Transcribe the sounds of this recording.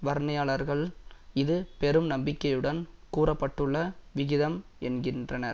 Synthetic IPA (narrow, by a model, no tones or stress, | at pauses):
ʋɐɾɳɐjaːɭɐɾɣɐɭɪðɯpɛɾɯmnɐmbɪkːɐjɯɽɐnkuːɾɐpːɐʈːɯɭːɐʋɪɣɪðɐm | ɛnɡɪndrɐnɐɾ